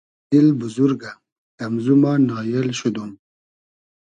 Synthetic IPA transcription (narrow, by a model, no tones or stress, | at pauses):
ilbuzuɾɡa | kɐmzumɑːnɑːjelɕud̪um